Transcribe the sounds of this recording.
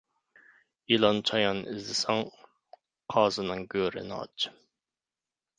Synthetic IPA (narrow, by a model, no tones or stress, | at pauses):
ilˠɑnt͡ʃʰɑjɑnɪzd̪ɪsɑŋ | qʰɑːzɨnɨŋɡʲøːɾɪ̰nɑ̰t͡ʃ